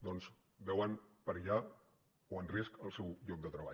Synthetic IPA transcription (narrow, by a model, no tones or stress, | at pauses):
d̪ɔnz | bɛwənpəɾʒa | oənriskəlˠsɛwʎɔk̚d̪ət̪ɾəβ̞a̰